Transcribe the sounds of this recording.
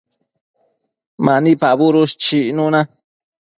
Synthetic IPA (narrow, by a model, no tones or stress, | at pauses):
maʔnipaβuɾuʃt͡ʃiʔnuna